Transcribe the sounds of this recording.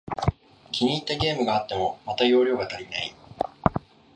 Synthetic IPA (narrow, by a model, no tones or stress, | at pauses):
kʲiɲ̟iːt̪ːaɡʲe̞ːmɯ̟ɡaːt̪ːe̞mo̞mat̪ajo̞ːɾʲo̞ːɡat̪aɾʲinai